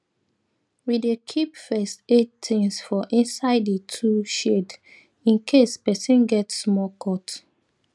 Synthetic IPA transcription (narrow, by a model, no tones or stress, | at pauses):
widekʰipfɛstettɪ̃ŋsfɔʔĩnsaɪdətʰuʃed | ĩnkʰespɛsĩnɡɛtsmɔkʰɔt